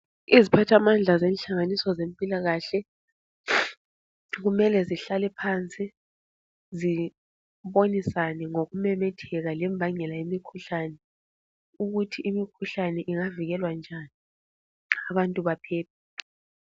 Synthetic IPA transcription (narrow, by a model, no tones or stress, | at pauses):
izipʰatʰamand͡ɮʱazɛnɬaŋanisɔzempʼilaɣaɬɛ | ɣumɛlɛziɬalɛpʰant͡sʼi | zi | βonisanɛŋoɣumɛmɛtʰɛɣalɛmbʱaŋɛlaimikʰuɬanɛ | uɣutʰiʔimikʰuɬanɛʔiŋaviɣɛlwand͡ʒʱani | aβantʼuβapʰɛːp̚ʰɛ̥